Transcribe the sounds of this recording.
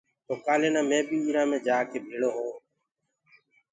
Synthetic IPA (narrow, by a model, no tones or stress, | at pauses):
t̪oːkaːleːnãːmẽːɓiːiːɾaːmẽːd͡ʒaːkʰeːbʱeːɽoːɦoː